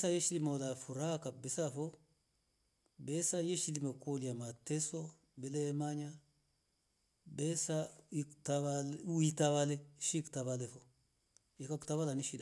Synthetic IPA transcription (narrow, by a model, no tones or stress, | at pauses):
sajeʃilimalafuɾakabesafo | besajeʃilimakoliamateso | belemaɲa | besaiktaβaitaβaleʃiktaβalefo | ikaktaβalaniʃida